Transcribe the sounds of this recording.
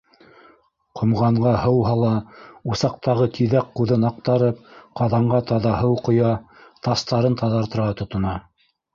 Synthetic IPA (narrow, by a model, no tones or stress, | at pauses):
qʰŏmʁɑɴʁɑhɤwɦɑlˠɑusɑq̚t̪ɑʁɤkʰiðækqːuðɤnɑq̚t̪ɑɾɤp̚qɑðɑɴɢɑt̪ɑðɑɦɤwqŏjɑ | t̪ɑst̪ɑɾɤnt̪ʰɑðɑɾt̪ɤ̆ɾʁɑt̪ŏt̪ŏnɑ